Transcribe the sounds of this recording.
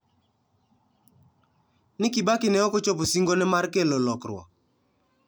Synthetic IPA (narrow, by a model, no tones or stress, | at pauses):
nɪkɪbakɪnɛɔkɔt͡ʃoposiŋɡonɛmarkelolɔkɾwɔ̰